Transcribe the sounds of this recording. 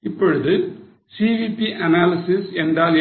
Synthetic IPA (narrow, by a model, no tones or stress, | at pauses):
ɪpːɔɻɯðɯ | siʋipːiʔɐnaːlɪsɪsɛndraːl